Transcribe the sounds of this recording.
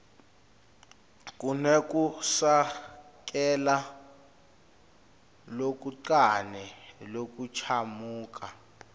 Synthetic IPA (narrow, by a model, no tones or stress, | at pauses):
k̬ʼunɛk̬ʼusak̬ʼɛla | lok̬ʼuǀanɛlok̬ʼut͡ʃʰamuːk̬ʰʼa